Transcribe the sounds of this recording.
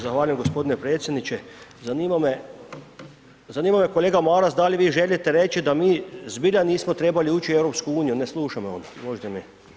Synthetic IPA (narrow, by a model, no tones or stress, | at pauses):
zaxʋaːʎujemɡo̞spod̪inepɾet̪sjed̪nit͡ɕezaniːmame | zaniːmamekoleːɡamaɾasd̪aliʋiːʒe̞lit̪eɾe̞t͡ʃid̪amiːzbiʎaniːsmot̪ɾe̞ːbaliuːt͡ʃiewɾo̞pskuuːnijuneslˠuːʃamo̰nomoʒt̪emi